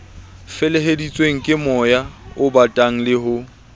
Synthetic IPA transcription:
fɪleɦedit͡sʼweŋ̩kʼɪmɔjaʊbatʼaŋ̩lɪɦʊ

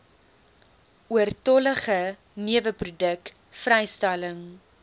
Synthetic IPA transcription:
uərtɔləχə | niəvəprudək | frɛjstɛləŋ

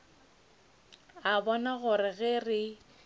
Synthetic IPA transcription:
abɔnaɣʊɾɪɣɪrɪ

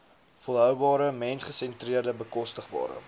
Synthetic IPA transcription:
fɔlˠɦœwbɑːɾəmɛnsχəsɛntriərdəbəkɔstəχbɑ̰ːɾə̰

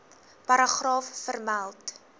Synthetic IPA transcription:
pɐɾɑχrɑːffərmælˠt

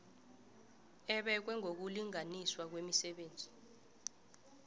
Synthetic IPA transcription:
ɛɓɛk̬wɛŋok̬uliŋaniswak̬wemisɛɓeːnd͡zʱi

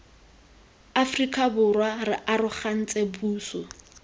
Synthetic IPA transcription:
afrikʼabʊrwarɪʔarʊχan̩t͡sʼebuːsɔ

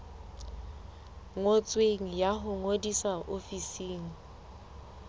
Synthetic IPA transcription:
ŋot͡sʼweŋ̩jaɦʊŋodisaʔofisiːŋ̩

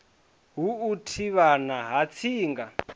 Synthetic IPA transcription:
ɦuːtʰiβanaɦat͡sʰiːŋɡa

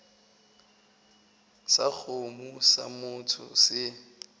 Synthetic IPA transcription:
sak͡xʰomusa̰mʊtʰʊ̰sɪ

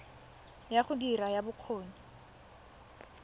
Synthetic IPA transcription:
jaχʊdirajabʊq͡χʰoːɲi

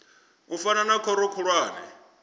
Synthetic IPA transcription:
ufananakʰɔɾɔkʰuɺwaːnɛ̰

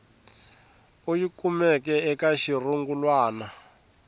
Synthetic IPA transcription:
ojikumɛkɛɛkaʃiruŋɡulwaːna

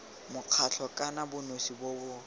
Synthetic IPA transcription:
mʊq͡χʰat͡ɬʰɔkʼanabʊnosibobʊ

